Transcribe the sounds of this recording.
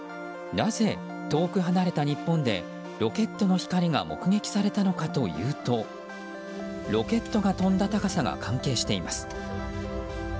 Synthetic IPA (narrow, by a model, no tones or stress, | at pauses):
naze̞ | t̪o̞ːkɯ̟ɦanaɾe̞t̪aɲ̟ipːõ̞nd̪e̞̰ | ɾo̞ke̞t̪ːo̞no̞çi̥kaɾʲiɡa̰mo̞̰kɯ̟ɡe̞kʲi̥saɾe̞t̪ano̞kat̪o̞jɯ̟̰ːt̪o̞ | ɾo̞ke̞t̪ːo̞ɡat̪õ̞nd̪at̪akasaɡa̰kʰãŋke̞ːɕi̥t̪e̞imasɨ̥